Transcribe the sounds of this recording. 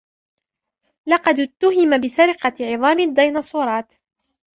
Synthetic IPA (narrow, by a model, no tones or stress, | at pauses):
lɑqɑd̪t̪ːʊɦɪmabɪsaɾɪqɑʕɪðˤɑːmɪd̪ːɑjnɑsˤuːɾˤɑːt̪